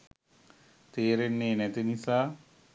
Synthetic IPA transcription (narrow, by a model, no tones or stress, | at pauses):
t̪eːɾenːeːnɛt̪inisaː